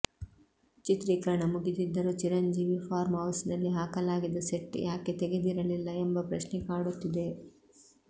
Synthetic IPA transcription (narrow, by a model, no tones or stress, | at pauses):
t͡ʃit̪ɾikɐɾɐɳɐmuɡit̪id̪ːɐɾut͡ʃiɾɐɲd͡ʒiːʋipʰaːɾmɦɐwsnɐlːiɦaːkɐlaːɡid̪ːɐseʈːjʔaːke̞t̪eɡe̞d̪iɾɐlilːɐɛmbɐpɾɐʃnɛkaːɽut̪ːid̪e̞